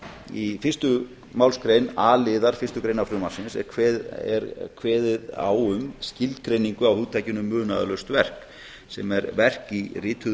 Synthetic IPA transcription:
ifɪrst̪ʏ | mawlskɾejnaːlɪðaɾ̥fɪrst̪ʏkɾejnafɾʏmḁsɪnsɛ̰ɾ̥kʰvɛɛ̰ɾkʰvɛːðɪða̰wʏmscɪlt̪kɾejniŋkʏawhuːðt̪ʰajcʏnʏmːʏːna̰ð̰lœst̪vɛr̥k | sɛmɛɾvɛr̥kirɪːt̪ʰʏ

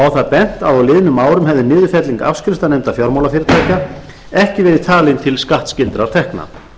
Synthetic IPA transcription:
awθaðpɛn̥t̪awðawlɪːðɪnʏmaːwɾʏmɦɛvðɪnɪːðʏfɛt̪liŋka̰fskɾɪst̪anejmt̪afjɔɾmawlafjɪɾɪt̪ʰaːjca | ɛhcɪvɛːɾɪðt̪ʰaːlɪnt̪ʰɪlskaht̪scɪlt̪ɾaɾt̪ʰɛhkna̰

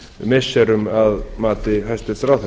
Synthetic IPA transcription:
mɪsɛɾʏmaðmaːt̪ɪɦajst̪ɪsɾawθ

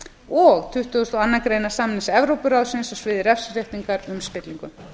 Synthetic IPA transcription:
ɔɣt̪ʰʏht̪ːʏst̪ɔanːakɾeːjnḁsaːmnɪsɛvɾowpʏɾaðsɪnsɔsvɪðɪɾɛfsareht̪iŋkaɾʏmspɪt̪liŋkʏm

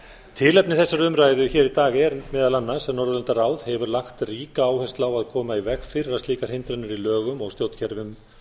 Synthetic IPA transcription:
t̪ʰɪːlɛpnɪθɛsːaɾʏmɾaːjðʏçɛːɾit̪aːɣɾmɛːðalanːasɛmnɔɾðʏlɛnt̪araːwðhɛvʏɾlaxt̪riːkaaːwhɛst̪laːwaðkʰɔːmaivɛxfɪɾɪɾast̪iːkaɾ̥hɪnt̪ɾɛnʏɾilœːɣʏmɔɣst̪jowt̪cʰɛɾvʏm

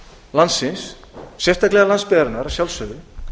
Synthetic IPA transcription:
lansːɪnsː | jɛr̥t̪ʰaklɛɣalanspɪðaɾnaɾasjawlsœðɪ

